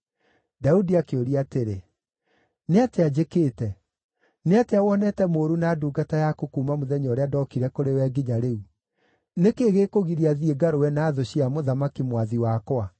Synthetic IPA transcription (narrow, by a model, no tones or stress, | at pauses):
daudiakeoɾiateɾe | neatead͡ʑekeːtɛ | neateawɔnɛtɛmoːɾunaːduːɡatajakokuːmamoðɛɲɔːɾeadɔkiɾɛkoɾewɛːɡiɲaɾeu | nekeːɣeːkoɣiɾiaðieɡaɾowɛnaːðoɕiamoðamakimwaðiwakwa